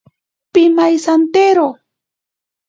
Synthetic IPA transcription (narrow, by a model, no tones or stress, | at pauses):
pɪmajsant̪eɾo